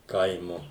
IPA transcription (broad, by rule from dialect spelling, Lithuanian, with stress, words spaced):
ˈkɐɪmʊ